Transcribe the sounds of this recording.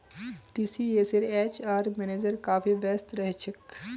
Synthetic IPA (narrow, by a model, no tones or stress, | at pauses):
ʈiːsiesɪɾeːt͡ʃaːɾmɛːneːd͡ʒəɾkaːpʰibɛːst̪ɾɛɦt͡ʃʰək